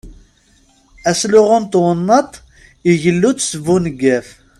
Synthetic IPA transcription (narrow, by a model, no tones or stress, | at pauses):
æslʊʁʊnt̪wənːɑt̪ˤ | iʝəlːut͡ssəvunəɡːæf